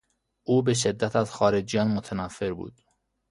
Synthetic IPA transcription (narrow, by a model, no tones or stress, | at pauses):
ʔuːbe̞ʃ̬ed̪ːæt̪ʰæzxɒːɾed͡ʒjɒːnmot̪ʰænæfːe̞ɾbṵːd̪̥